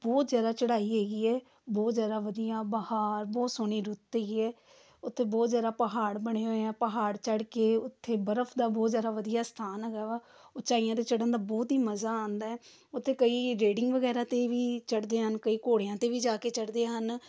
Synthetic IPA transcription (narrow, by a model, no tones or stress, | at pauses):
bɔːt̪zjaːd̪aːt͡ʃəɽaːiːɦeːɡiːɛː | bɔːt̪zjaːd̪aːʋəd̪ijãːbahaːɾbɔːt̪soːɳiːɾʊt̪ːeːɡiːɛː | ʊt̪ʰːeːbɔːt̪zjaːɾaːpəɦaːɽbəɳeːɦoːeãːpəɦaːɽt͡ʃəɽkeːʊt̪ʰːeːbəɾəpʰd̪aːbɔːt̪zjaːɾaːʋəd̪ijaːst̪ʰaːnɦɛːɡaːʋaː | ot͡ʃaːijãːt̪eːt͡ʃəɽənd̪aːbɔːt̪ɦiːməzaːãːnd̪aːɛː | ʊt̪ʰːeːkəiːɾeːɖɪŋɡʋəɡɛːɾãːt̪eːʋiːt͡ʃəɽd̪eːɦənkəiːkoːɽejãːt̪eːʋiːd͡ʒaːkeːt͡ʃəɽd̪eːɦən